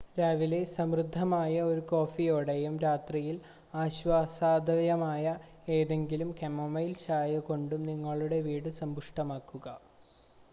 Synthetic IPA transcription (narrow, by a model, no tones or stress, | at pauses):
ɾaːʋile̞sɐmrɨd̪ʱːɐmaːjɐo̞ɾuko̞ːfijoːɽejumɾaːt̪rijil | aːɕʋaːsaːd̪ʱɐjɐmaːjɐ | e̞ːðe̞ŋɡilumkemomɐjlt͡ɕaːjɐko̞ɳɖumniŋːɐɭuɽe̞ʋiːɽɨsɐmbuʂʈɐmaːkːuɣɐ